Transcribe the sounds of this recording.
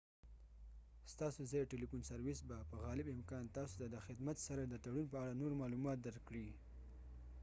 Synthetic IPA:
st̪ɑsozɑjʈelifunsaɾwɪsbapəɣɑlɪbɪmkɑnt̪ɑsot̪ad̪əxɪd̪mat̪saɾad̪ət̪aɽunpəaɽanoɾmɑlumɑt̪̚d̪aɾkɽi

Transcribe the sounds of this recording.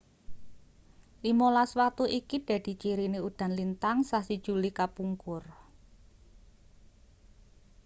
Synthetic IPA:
limolaswat̪uʔikiɖ̪̥a̤d̪̥i̤t͡ʃiɾiniud̪̥ä̤nlint̪aŋsahsid̥ʒ̥ṳlikapuŋkʊr

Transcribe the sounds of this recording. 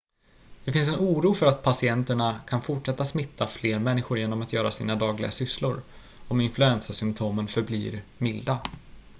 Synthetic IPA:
d̪̥ɛfɪns̬ɛnuːɾuːfœɾat̪̚pʰasɪɛnt̪əɳakʰanfʊʈʂɛt̪ːasmɪt̪ʰːafleːɾmɛnːɪɧʊɾjeːnɔmat̪jœːɾasḭːnad̪ɑːɡlɪɡasʏslʊɾ | ɔmɪnflɵɛnsasʏmp̚t̪ʰoːmənfœɾbliːɾmɪld̪a

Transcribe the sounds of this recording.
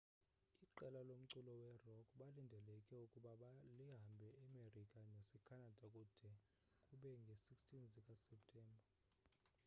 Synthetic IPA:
iǃɛlalom̩ǀulɔwɛrɔkʰʼɓalindʱɛlɛkʼɛukʼuɓaɓaliɦambʱɛʔːmerikʼanesɛkʰanad̥ʱakʼud̥ʱɛ | kʼuɓɛŋɡʱesikstʰʼinzikʼasɛp̚tʰʼɛːmbʱa

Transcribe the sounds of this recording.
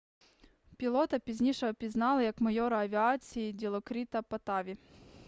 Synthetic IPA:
pʲilˠɔt̪ɐpʲizʲnʲiʃɔɐpʲiznɑlˠɪjɐkmɐjɔɾɐɐʋʲiat͡sʲijidʲilˠɔkɾʲit̪ɐpɐt̪ɑʋʲi

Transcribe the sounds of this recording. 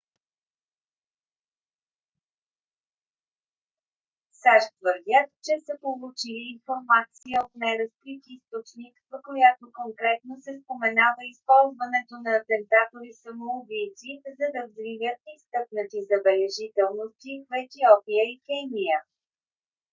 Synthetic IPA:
saʃt̪vəɾd̪ʲat̪t͡ʃɛsəpolˠut͡ʃiliːnfoɾmat̪siəot̪najɾəsk̪ɾit̪ist̪ot͡ʃnik̪st̪vəkojat̪okoŋkɾɛt̪nosɛspomɛnavəispɔlˠzvənɛt̪onɐːt̪ɛnt̪at̪ovisɐmouvijt̪sizɐd̪ɐvzvivʲjət̪ist̪ɤpnət̪izəbɛlɛʒit̪ɛlˠnost̪ʲivɛɛt̪iɔpiəikɛniə

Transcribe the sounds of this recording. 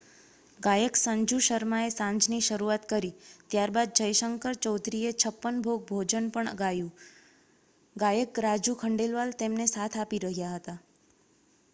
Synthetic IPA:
ɡajəksəɲd͡ʒuʃəɾmaesãɲd͡ʒniʃəɾuat̪kəɾit̪jaɾbad̪̚d͡ʒəjʃəŋkəɾt͡ʃɔwd̪ʱɾiet͡ʃʰəpːənbʱoɡ̚bʱod͡ʒənpəɳə̰ɡajũ | ɡajəkɾad͡ʒukʰəɳɖelʋalt̪emnesat̪ʰapiɾəɦjaɦət̪a

